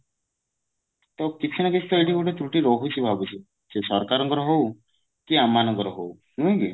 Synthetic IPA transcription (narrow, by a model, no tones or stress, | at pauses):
t̪ɔkit͡ʃʰːiñakesʰt̪ɔjʈʰikoʈet̪ɾuʈiɾɔɦut͡ʃʰibʱabut͡ʃʰi | sesɔɾkaɾɔŋɡɔɾɔɦow | kiamːanɔŋɡɔɾɔɦow | nuĩɡi